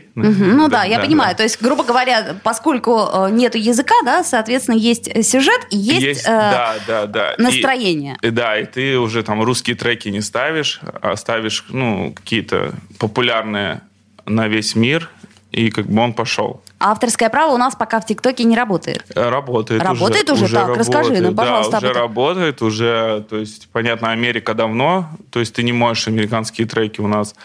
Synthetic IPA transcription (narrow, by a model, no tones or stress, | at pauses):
m̩ɦm̩nud̪ajapənʲɪmajʊt̪o̞ɪsʲtʲɡɾubəɡəvɐɾʲapɐsko̞lʲkʊənʲe̞t̪ʊjɪzɨkad̪asɐːt̪vʲet̪st̪ʲɪnəjesʲtʲəsʲʊʐɛt̪ijesʲtʲəd̪ad̪ad̪a̰nəsit̪ɾɐjenʲɪjəd̪ait̪ɨʊʐɛt̪amruskʲɪjət̪ɾɛkʲɪnʲɪst̪avʲɪʂa̰st̪avʲɪʂnukɐ̥kʲijət̪ə̰pəpʊlʲarnɨjə̰ | nɐvʲesʲmʲir | ikaɡ̚bɨo̞npɐʂo̞̰lˠaft̪ərskəjəpɾavəʊnaspɐkaftʲɪkt̪o̞kʲɪnʲɪɾɐbo̞t̪ə̰jɪ̰t̪ɾɐbo̞t̪əjɪrɐʊʐotɛəjɪt̪ʊʐɛʐaɾɐrəskɐɨnapɐd̪aʊʐɛɾɐbo̞t̪əjɪt̪ʊʐɛt̪o̞jɪsʲtʲpɐnʲat̪nəɐmʲeɾʲɪkəd̪ɐvno̞t̪o̞jɪsʲt̚ʲt̪ɨnʲɪmo̞ʐɪʂɐmʲɪɾʲɪkanskʲɪjət̪ɾɛkʲɪʊnas